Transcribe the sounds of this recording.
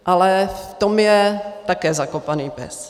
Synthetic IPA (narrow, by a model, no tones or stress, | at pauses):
ʔalɛft̪omjɛt̪akɛːzakopaniːpɛ̰s